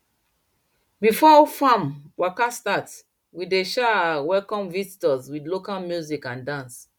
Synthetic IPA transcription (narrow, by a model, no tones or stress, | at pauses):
bifɔifãmwakastat | wideʃawɛlkɔ̃mvizitɔzwidlokalmjuzikãndãns